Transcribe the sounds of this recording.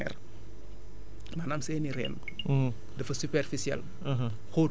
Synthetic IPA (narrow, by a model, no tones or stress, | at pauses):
ɛ̰r | manamsɛːniɾɛ̰ːn | dɐfɐsupɛrfisiɛ̰l | ɦ | xoː